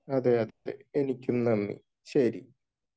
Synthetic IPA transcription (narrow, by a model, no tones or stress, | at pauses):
ɐðeɐðḛenikʲːumnɐmːḭ | ɕɐɾḭ